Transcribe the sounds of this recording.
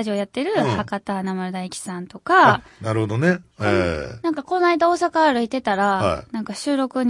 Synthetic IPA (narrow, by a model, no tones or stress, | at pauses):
ʑiojat̪ːe̞ɾɯ̟hakat̪anamaɾɯ̟d̪aikʲi̥sãnt̪o̞kanaɾɯ̟hod̪oneenãŋkako̞naid̪ao̞ːsakaːɾɯ̟it̪e̞t̪aɾahnãŋkaɕɨːɾo̞kɯ̟ɲ̟